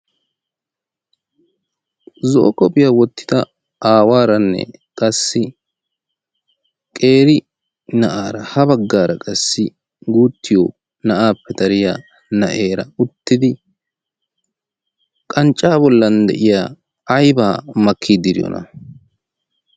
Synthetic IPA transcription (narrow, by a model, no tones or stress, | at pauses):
zo̰ːkʼɔpɪjaːwɔt̪ːɪ̥d̪ɐ | aːwaːɾɐnːɛ̰kʼɐsːɪ | kʼe̞ːɾɪ | nɐʔaːɾɐhɐbɐɡːaːɾɐkʼɐsːɪ | ɡuːt̪ːɪjo | nɐʔaːpːɛd̪ɐɾɪjaː | nɐʔeːɾɐʊt̪ːɪd̪ɪ | kʼɐnt͡ʃʼːaːbɔlːɐnd̪ɛ̰ʔɪja̰ː | ɐjbaːmɐkʰːid̪ɪɾɪjɔ̰nʔɐ̰